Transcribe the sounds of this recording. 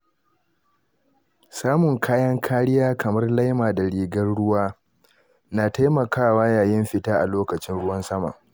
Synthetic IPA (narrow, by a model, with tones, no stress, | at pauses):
saː˦mʊ˨ŋkʰaː˦jɐ˦ŋkʰaː˦ɽɪ˦jaː˦kɐ˨mɐ˦rla˦jmaː˨da˨ɽiː˨ɡɐ˦rɽʊ˦waː˦ | naː˨ta˦jmɐ˨kaː˦˨waː˦jaː˨jɪ˦mɸɪ˦taː˦ʔa˨loː˦kɐ˨t͡ʃɪ˦nɽʊ˦wɐ˦nsɐ˦ma̰ː˨